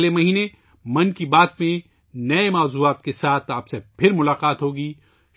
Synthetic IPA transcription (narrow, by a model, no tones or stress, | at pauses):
lemɐɦiːne | mɐ̃nkibaːt̪̚mẽ | nɐemaːzuːaːt̪kesaːt̪ʰaːpsepʰɪɾmʊlaːqaːt̪ɦoːɡiː